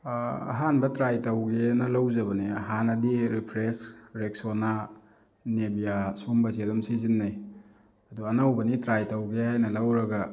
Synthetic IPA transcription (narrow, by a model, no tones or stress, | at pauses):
ɐ̰ɦanbɐtɾajtɐwɡenɐlawzɐbɐniɐɦanɐdiɾipʰɾesɾek̚sona | nebijasumbɐzedɔmsizinːaj | ɐduɐnawbɐnitɾajtɐwɡehajnɐlɐwɾɐɡɐ